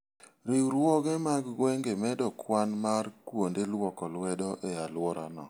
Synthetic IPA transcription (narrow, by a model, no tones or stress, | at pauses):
ɾɪuɾwɔɡɛmaɡɡwɛŋɡemɛdɔkʰwanmarkwondelwɔkɔlwɛdɔʔealwɔɾa̰nɔ̰